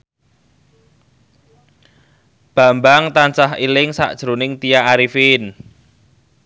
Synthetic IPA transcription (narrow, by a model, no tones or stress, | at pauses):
b̥a̤mbaŋt̪ant͡ʃahilɪŋsa̰ʔd̥ʒ̥ɾonɪŋt̪ijaːɾifin